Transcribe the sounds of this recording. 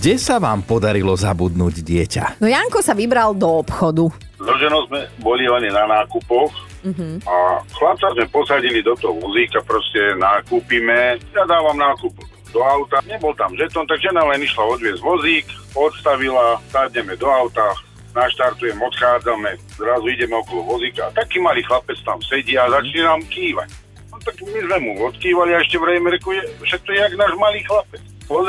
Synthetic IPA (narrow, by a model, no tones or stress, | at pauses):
ɡɟɛsaʋaːmpɔd̪aɾilɔzabud̪nuːɟɟɪɛca̰nɔjaŋkɔsaʋibɾald̪ɔɔpxɔd̪u | zɔʒɛnɔzmɛbɔlilɛɲɛnanaːkupɔx̩ | axlap̚t͡sazmɛpɔsaɟilid̪ɔt̪ɔɦɔʋɔzikapɾɔscɛnaːkuːpimɛjad̪aːʋamnaːkup | d̪ɔaʊt̪aɲɛbɔlt̪amʒɛt̪ɔnt̪aɡʒɛnalɛniʃlaɔd̪ʋɪɛzʋɔziːk | ɔt̪st̪aʋilasad̪ɲɛmɛd̪ɔawt̪a | naʃt̪aɾt̪ujɛmɔt̪xaːd͡zamɛ | zɾazuiɟɛmɛɔkɔlɔʋɔzikaːt̪akiːmaliːxlapɛt͡st̪amsɛɟiazat͡ʃɲɛnamkiːʋa̰c | nɔt̪aɡmizmɛmuɔt̪kiːʋaliaɛʃcɛʋɾɛjmɛɾɛkɔjɛfʃɛt̪̚kɔjɛaɡnaːʒmaliːxlapɛt͡s | ɔ